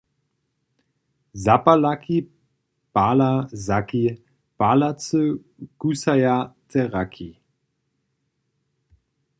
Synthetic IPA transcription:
zapalakʰi | paːlazaki | palat͡sə | kusajatʰɛʁakʰi

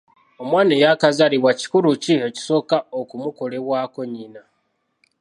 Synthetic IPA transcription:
o̞mwaːnejakazaliβwaci̥kuɾucieci̥so̞kaokumuko̞le̞βwaːko̞ɲina

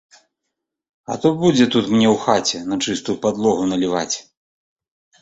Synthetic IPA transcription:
ɐ̰t̪ɔbud͡zʲɛt̪ut̪mnʲɛwxat͡sʲɛnɐt͡ʂɨst̪ujupad̪lˠɔɣunɐlʲiva̰t͡sʲ

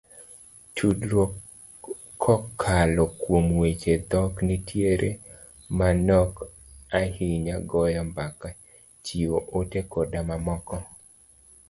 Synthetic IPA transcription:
tʰudɾo | ɔkʰalɔkwomwet͡ʃed̪ɔknitʰjeɾʔḛ | manɔk | ahiɲaɡɔjɔmbaka | t͡ʃioʔotekodamamɔkɔ

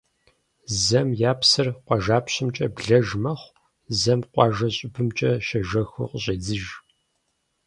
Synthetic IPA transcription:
zɐmjaːpʰsɨrqʷɑʒaːpɕɪmt͡ʃʼɐbɮɐʒmɐχʷ | zɐmqʷʼɑːʒɐɕʼɪbɨmt͡ʃʼɐʃɐʒɐxɨ̰qɕʼeːd͡zɨʒ

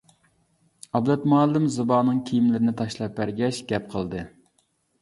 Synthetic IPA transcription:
ɑblɛt̪mɑlˠːɪmzɨbɑːnɨŋkʲʰijimlɪɾɪnɪt̪ʰɑʃlˠɑpːæɾɡʲɛʃɡʲɛp̚qʰəlˠd̪ɨ

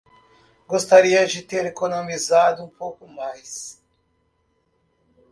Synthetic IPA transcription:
ɡost̪aɾiɐd͡ʒɪt̪eɾekonomizad̪ʊũpowkʊmajs

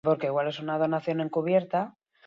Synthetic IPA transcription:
po̞ɾke̞iɣwale̞sunað̞o̞naθjo̞ne̞ŋkuβ̞je̞ɾt̪a

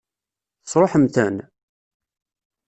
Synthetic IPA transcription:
θəsˤɾˤoħəmθæn

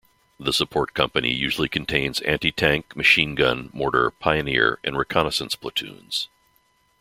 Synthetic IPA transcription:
ðəsəpʰɔɹt̚kʰʌ̃mpɨnḭjʉʒl̩ˠikʰɨ̃n̩tʰẽɪ̃nzæ̰̃ntitʰæ̃ŋkmɨʃĩnɡʌ̰̃nmɔɹɾə̰˞pʰaɪɨnɪ̰ɹʔɨ̰̃nɹɨkʰɑnəsə̃nspʰl̥ətʰʉ̰̃nz̥

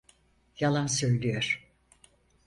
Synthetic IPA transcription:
jalˠansø̞jlʲyjøɾ̥

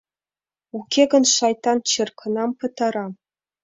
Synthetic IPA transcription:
ukʲeɡɤ̆nʂɑjt̪ːɑnt͡ɕɘ̆rkʰɤ̆nɑmpɤ̆t̪ɑɾɑ

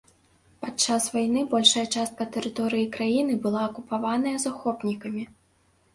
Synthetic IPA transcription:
pat͡ʂːasvajnɨbɔlʲʂɐjɐt͡ʂast̪kɐt̪ɛɾɨt̪ɔɾɨjikɾajinɨbɨlˠaːkupavanɐjɐzaxɔpnʲikɐmʲi

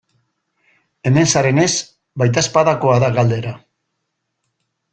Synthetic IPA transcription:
e̞me̞nsaɾe̞ne̞s | bajt̪̬aspaðako̞aðaɣald̪e̞ɾa

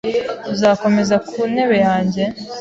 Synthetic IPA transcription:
zaːko̞me̞zakʰune̞βe̞jaːɲɟe̞

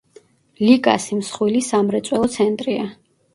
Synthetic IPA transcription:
likʼa̰simsχwilisamɾɛt̪sʼwɛlˠɔt̪sʰɛnt̪ʼɾia

